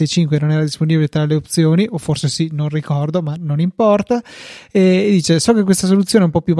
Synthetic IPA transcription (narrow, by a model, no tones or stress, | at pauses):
ejt͡ʃiŋkwenonɛːɾad̪isponibilet̪ɾaleopt̪sjoːniʔofːorsesinonrikɔrd̪omanonimpɔrt̪aɛːd̪ːiːt͡ʃesɔk̟ek̬ːwest̪as̬olut̪sːjoːnɛumpɔpːjum